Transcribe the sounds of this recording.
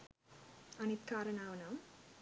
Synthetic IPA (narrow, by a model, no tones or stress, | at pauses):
ɐnit̪kaːɾɐnaːʋɐnaːm